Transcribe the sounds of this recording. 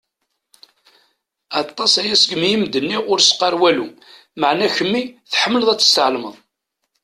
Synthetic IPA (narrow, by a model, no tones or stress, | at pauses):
ɑt̪ˤːɑsæjæsəɡmijimd̪ənːiʁʊɾsqɑɾwælu | məʕnæçəmːiθħəmːələðˤæt͡sːə̥st̪əʕlmə̰ðˤ